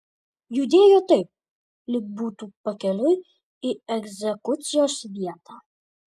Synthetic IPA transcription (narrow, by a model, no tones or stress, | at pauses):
jʊd̪ʲeːjot̪ɐɪp̚ | lʲɪk̚buːt̪upɐkʲɛlʲʊj | iɛɡzʲɛkʊt̪sʲɪjoːsʋʲiɛt̪a